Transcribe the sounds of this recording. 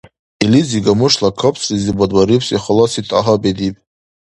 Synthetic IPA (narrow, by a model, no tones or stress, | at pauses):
iliziɡamɨʂlakʰəpʰʼsʼizibadwaɾipʰsʼiχəlɔsitʼaɦabed̪ipʼ